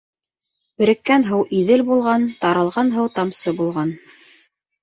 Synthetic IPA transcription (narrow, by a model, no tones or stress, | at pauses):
bɘ̆ɾɘ̆kːænɦɤwʔiðɘlbulˠʁɑnt̪ɑɾɑlˠʁɑnɦɤwt̪ɑmsɤbulˠʁɑn